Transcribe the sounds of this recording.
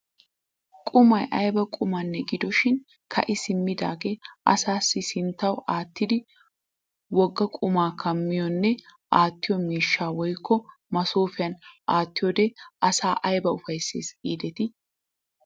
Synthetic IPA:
kʼʊmɐjʔɐjbɐkʼʊmanːɛɡɪd̪ɔʃɪn | kʰɐ̰ʔɪsɪmːɪd̪aːɡeːʔɐ̰saːsːɪsɪnt̪ːɐwaːt̪ːɪd̪ɪ | wɔɡːɐkʼʊmaːkʰɐmːɪjɔnːɛ | ʔaːt̪ːɪjɔmiːʃːaːwɔjkʰːɔ | mɐsoːfɪjɐnʔaːt̪ːɪjɔd̪eːɐsaːʔɐjbɐʊfɐjsḛːsiːd̪ɛt̪ɪ

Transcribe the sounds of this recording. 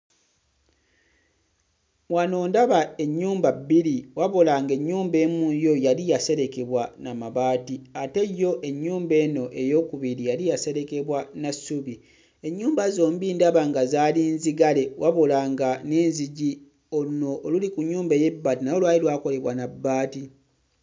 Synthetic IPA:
wano̞ːndaβae̞ɲːuːmbabːiɾiwaβolaŋɡe̞ɲːuːmbe̞ːmujo̞jalijase̞ɾe̞ke̞βwanamaβaːtiate̞jːo̞ʔe̞ɲːuːmbe̞ːno̞ʔe̞jo̞ːkuβiɾijalijase̞ɾe̞ke̞βwanasuβi | e̞ɲːuːmbazo̞ːmbiːndaβaŋɡazaːlinziɡale̞wʔaβolaŋɡaneːnziɟi | ouno̞ʔːlulikuɲːuːmbeje̞bːaːtinajolwaːlilwaːko̞le̞βwanabːaːti

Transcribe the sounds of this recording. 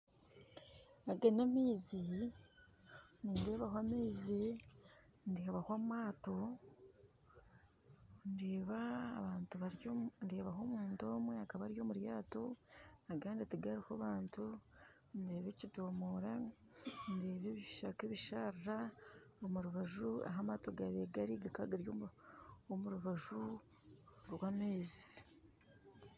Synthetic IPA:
aɡenamiːzi | niːndeːβahwameːzi | ndihaβahwamwaːto̞ | ndeβaːβaːntuβaɾndeːβaɦo̞muːndo̞ːmweakaβaɾjo̞muɾjaːtonaɡaːndetiɡaɾihoβaːntu | nde̞ːβeːcido̞ːmoɾa | nde̞ːβeβiʃakeβiʃaɾɾaomuɾuβaʒua̰ɦamato̞ɡaβeɡaɾiɡakaɡaɾjo | omuɾuβaʒu | ɾwaːmeːzi̥

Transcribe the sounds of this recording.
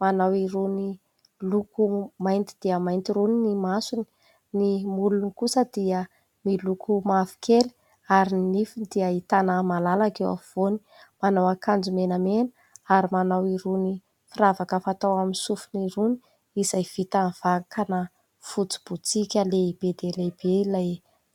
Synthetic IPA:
manawiɾuni | lukumajnt̪id̪̥iəmajnt̪iɾuninimasuni̥ | nimulunikusəd̪iə | milukumafi̥kʰeli̥ | aɾinifid̪iəit̪anəmalalakewa̰v̥oni̥ | manawakand͡zumenəmenə̥ | aɾimanawiɾuni | firavakəfat̪awaminsufuniɾuni̥ | iz̥ajv̥it̪av̥akanə | fut͡si̥b̥ut͡sikʲəleib̥ed̪elebeilaj

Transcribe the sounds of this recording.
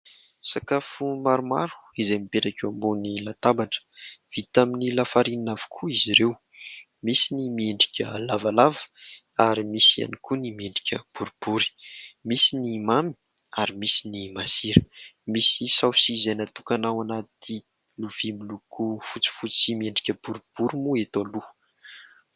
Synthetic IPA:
sakafumaɾuma̰ɾu̥izejmipeʈ͡ʂakewambonilat̪abaʈ͡ʂə̥v̥it̪aminilafaɾininavu̥kʰuiziɾew | misinimieɳɖ͡ʐi̥kʲə̰lavalavə̥ | aɾimisia̰nikʰunimieɳɖ͡ʐi̥kʲə̰b̥uɾub̥uɾi̥misinimami̥ | aɾimisinimasiɾə̥misisawsizenat̪ukanawanat̪i | luv̥imilukʰufut͡si̥fut͡simieɳɖ͡ʐi̥kʲəb̥uɾub̥uɾimuet̪olu

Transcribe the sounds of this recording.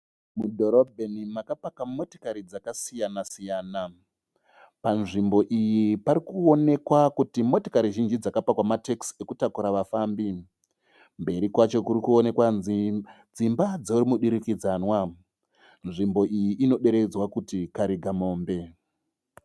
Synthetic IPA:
mudʱo̞ɾobʱenimakapakamo̞ti̥kaɾid͡zakasijanasijaːna | panʐimbo̞ʔijipaɾikuone̞kwakutimo̞tikaɾiʒind͡ʒid͡zakapakwamatekse̞kutakuɾaʋafaːmbi | mbe̞ɾikwat͡ʃo̞kuɾikuo̞ne̞kwazi | d͡zimbad͡zoɾimuɗiɾikid͡zanwa | nʐimbo̞ʔijiʔino̞ɗe̞ɾe̞d͡zwakutikaɾiɡʱamo̞ːmbe̞

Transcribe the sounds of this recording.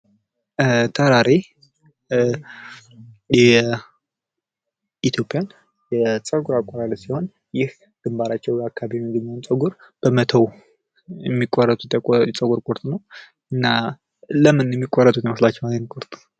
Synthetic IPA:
t̪ʰəɾaɾe | jɛ | ʔit̪ʰjo̞pʼijan | jɛsʼəɡuɾakʼɔɾaləsiho̞n | jɪh | ɡ̪̥ɨmbaɾat͡ʃːɛwjakʰːaβiβiɨɡ̪ɨnant͡sʼəɡuɾ | b̥əmət̪ʰəw | jɛmːikʼːɔrːət̪ʼut̪jɛsʼəɡuɾkʼuɾt̪ʼnəw | ɨnːa | ləmɨnjɛmːikʼɔrət̪ʼut̪jɛməslat͡ʃːɛwanənkʼuɾt̪ʼ

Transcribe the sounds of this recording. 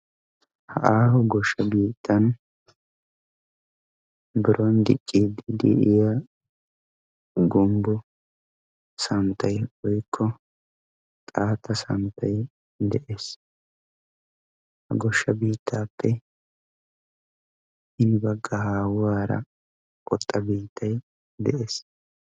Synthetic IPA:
hɐ̰ʔaːhɔɡɔʃːɐbiːt̪ʰːɐn | bɪɾʔɔnd̪ɪ̰t͡ʃʼːid̪ɪd̪ɪ̰ʔɪja | ɡʊmbʊ | sɐnt̪ɐjɔjkʰːɔ | t̪ʼaːt̪ːɐsɐ̰nt̪ʰɐj | d̪ɛʔe̞ːs | hɐɡɔʃːɐbiːt̪ʰːaːpːɛ | ʔɪnɪbɐɡːɐhaːwwaːɾɐ̰ | kʼɔt̪ʼːɐbiːt̪ʰːɐj | d̪ɛʔe̞ːs

